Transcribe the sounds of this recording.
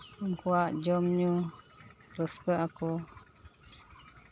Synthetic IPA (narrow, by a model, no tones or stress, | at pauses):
əŋkuaʔd͡ʒɔmɲu | ɾəskəaku